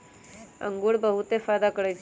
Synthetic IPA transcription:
ə̰ŋɡuɽbəɦut̪efaːd̪akəɽət͡ʃʰ

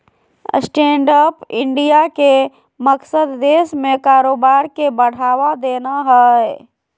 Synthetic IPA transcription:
sʈẽːɳɖəːpɪ̃ɳɖijake | məksəd̪ːeːʃmẽkaːɾoːbaːɾkebəɽ̤aːwad̪eːnaɦɛ

